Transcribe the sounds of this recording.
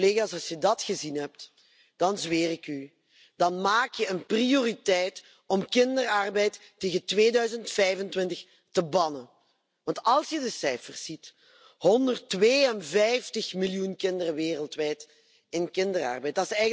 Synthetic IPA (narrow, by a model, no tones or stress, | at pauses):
leːɣaːsɑlˠsjədɑtxəzinɦɛp̚t | d̥ɑnzʋeːrɪky | d̥ɑnmaːkjəənprioːritɛjt | ɔmkɪndərɑrbɛjtːeːɣəntʋeːdœɥzəntfɛjvəntwɪntəx | təbɑnən | ʋɑntɑlˠsjədəsɛjfərsit | hɔndərtʋeːənvɛjftəxmɪljunkɪndərəʋeːrəlˠtʋɛjt | ɪnkɪndərɑ̰rbɛjt̚dɑtɪsɛjɣ